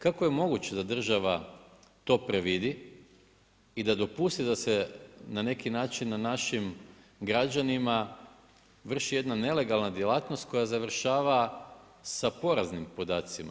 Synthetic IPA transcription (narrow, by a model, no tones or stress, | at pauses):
kakoje̞mo̞ɡut͡ɕe̞d̪ad̪r̩ʒaʋa | t̪o̞ːpɾe̞ʋid̪i | id̪ad̪o̞pust̪id̪ase̞nane̞kinaːt͡ʃinːanaʃim | ɡɾad͡ʒanima | ʋr̩ʃije̞d̪nane̞le̞ɡalˠnad̪jelˠaːt̪no̞st̪̚ko̞jazaʋr̩ʃaːʋa | sapo̞ɾaznimpo̞d̪aːt̪sima̰